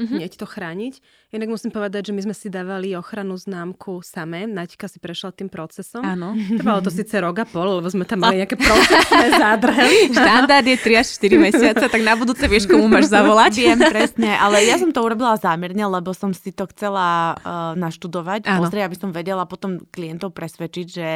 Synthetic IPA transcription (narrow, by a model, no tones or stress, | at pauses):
ɲɛct̪ɔxɾaːɲic | inaɡmusimpɔʋɛd̪aɟʒɛmizmɛsid̪aːʋaliɔxɾanuznaːmkʰusamɛːnaci̥kasipɾɛʃlat̪iːmpɾɔt͡sɛsɔmmanɔt̪ɛbalɔt̪ɔsiːt͡sɛɾɔɡapɔllɛbɔzmɛt̪amːaliɲɛakɛpɾɔsɛsnɛzad̪r̩ɦɛliʃt̪and̪aɾd̪jɛt̪ɾiaʃʃt̪iɾimɛsɪatt͡sɛt̪aɡnabud̪uːt͡sɛʋɪɛʃkɔmumaːʒzaʋɔlacʋɪɛmppɾɛsɲɛʔalɛjasɔmt̪ɔuɾɔbilazaːmɛɾɲɛlɛbɔsɔmsit̪ɔxt͡sɛlanaʃt̪ud̪ɔʋacpːpɔzɾɛabisɔmʋɛɟɛlapɔt̪ɔmklijɛnt̪ɔʊpɾɛsʋɛt͡ʃiɟʒɛ